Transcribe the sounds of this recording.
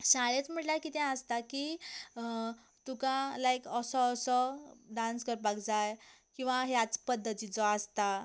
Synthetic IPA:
ɕãɭet͡sm̤əʈlakit̪ãəst̪aki | t̪ukãlajkəsɔːsɔɖãnskəɾpaɡd͡zajkĩw̃ʋaɦjat͡spəd̪ːət̪id͡zɔast̪a

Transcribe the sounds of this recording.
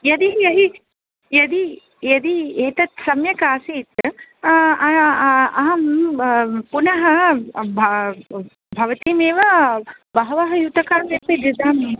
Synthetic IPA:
jɐd̪ijɐɦi | jɐd̪i | jɐd̪ieːt̪ɐt̪sɐmjɐkaːsiːt̪ | ɐɐɦɐm | punɐɦɐbʱɐ | bʱɐʋɐt̪iːmeːʋɐ | bɐɦɐʋɐɦɐjut̪ɐkaːmip̪id̪id̪aːmi

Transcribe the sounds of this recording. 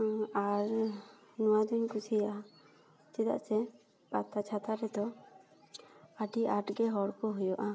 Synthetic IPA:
aɾ | nuwad̪uɲkusʰija | t͡ʃɛd̪a̰ʔsɛ | pa̰t̪at͡ʃʰat̪aɾɛd̪ɔ | aɖiaʈɡɛɦɔɽkɔɦujɔʔa

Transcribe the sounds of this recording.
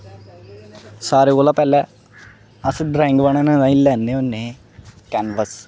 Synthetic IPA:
saːɾeːɡoːlãːpɛːlɛː | əsɖɾɛ̃ːɪŋɡʋaɳẽːnãːnãːĩlɛːnːẽːʊnːeː | kɛːnʋəs

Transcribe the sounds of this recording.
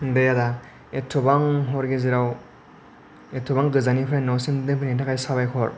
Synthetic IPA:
dejada | etʰɔbaŋɦɔɾɡeziɾaw | etʰɔbaŋɡɯzanipʰɾajnɔsimdɯpʰɯnitʰakʰajsabajkʰɔɾ

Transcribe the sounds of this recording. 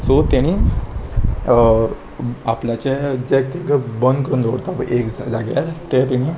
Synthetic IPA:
sot̪aɽ̃i | apljat͡ɕed͡ʑekt̪ikbənd̪kəɾuːnd̪ʱoɽt̪aapə̰ʔekd͡zaɡa̰lt̪et̪iɽ̃iː

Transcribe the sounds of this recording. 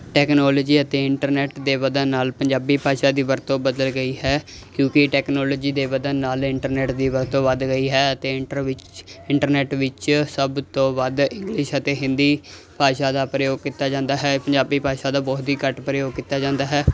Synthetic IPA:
ʈɛːknɔːloːd͡ʒiːət̪eːɪɳʈəɾnɛːʈd̪eːbəd̪ənnaːlpəɲd͡ʒaːbiːpaːʃaːd̪iːʋəɾt̪õːbəd̪əlɡəiːɦɛːkjõːkɪʈɛːknɔːloːd͡ʒiːd̪eːbəd̪ənːaːlɪɳʈəɾnɛːʈd̪iːʋəɾt̪õːʋəd̪ɡəiːɦɛːət̪eː | ɪɳʈəɾnɛːʈʋɪt͡ʃsəbt̪õːʋəd̪ɪ̃ŋɡlɪʃət̪eːɦɪ̃nd̪iː | paːʃaːd̪aːpɾəjoːɡ̚kit̪ːaːd͡ʒãːnd̪aːɦɛːpəɲd͡ʒaːbiːpaːʃaːd̪aːbɔːt̪iːkəʈpɾəjoːɡ̚kiːt̪ːaːd͡ʒãːnd̪aːɦɛː

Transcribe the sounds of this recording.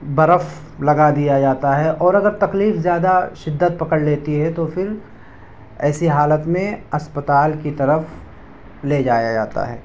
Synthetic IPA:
bɐɾəf | lɐɡad̪ijad͡ʒaːt̪aɦɛʔɔːɾɐɡəɾt̪ɐkliːfzjaːd̪aʃɪd̪ːət̪̚pɐkəɽleːt̪iɦɛt̪ofɪɾ | ɛːsiɦaːlət̪mẽɐspət̪aːlkit̪ɐɾəf | led͡ʒaːjad͡ʒa̰ːt̪a̰ɦɛ̰ː

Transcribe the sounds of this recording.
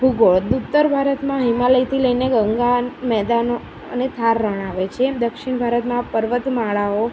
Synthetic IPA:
bʱuɡoɭd̪ut̪ːəɾbʱaɾət̪mãɦimaləjt̪ʰiləjneɡəŋɡamɛd̪ano | ə̰net̪ʰaɾːəɳ̃aʋet͡ʃʰed̪əkʃiɳ̃bʱaɾət̪mãpəɾʋət̪maɭao

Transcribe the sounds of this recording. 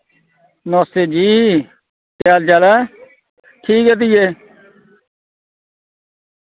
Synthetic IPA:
noːseːd͡ʒiː | tjaːld͡ʒaːla | ʈʰiːket̪̬ijeː

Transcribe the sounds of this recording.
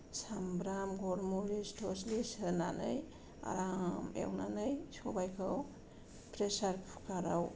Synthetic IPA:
sambɾamɡɔɾmuɾistʰɔslisɯnanɯj | a̰ɾamḛwnanɯjsɔbajkʰɯw | pɾesaɾpʰu̥kʰaɾaw

